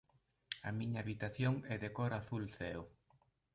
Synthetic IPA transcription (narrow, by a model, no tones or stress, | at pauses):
ɐ̰mĩɲaːβit̪aθjoŋɛðekoɾaθulθɛw